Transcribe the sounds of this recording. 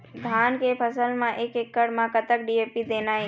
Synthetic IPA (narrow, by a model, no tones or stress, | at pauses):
d̪ʱaːnkepʰəsəlmãʔeːkekːəɽmãkət̪ək̚ɖiːeːpid̪eːnaɦe